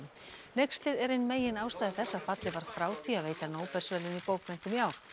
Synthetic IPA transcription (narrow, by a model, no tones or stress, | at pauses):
nejkst̪lɪðɛɾɪjnmeːjɪnaːwst̪aːðɪθɛsːafat̪lɪvaɾ̥fɾaːwθʰiaðveːjt̪anoːwpɛr̥svɛlɪnipoːwkmɛn̥t̪ʏmjaːw̥